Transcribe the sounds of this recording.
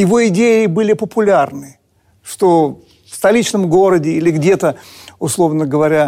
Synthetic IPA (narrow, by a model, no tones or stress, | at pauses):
jɪvo̞ɪdʲeɪbɨlʲɪpəpʊlʲarnɨ | ʂt̪o | fst̪ɐlʲit͡ɕnəmɡo̞ɾədʲɪilʲɪɡdʲe̞t̪əʊslˠo̞vnəɡəvɐɾʲa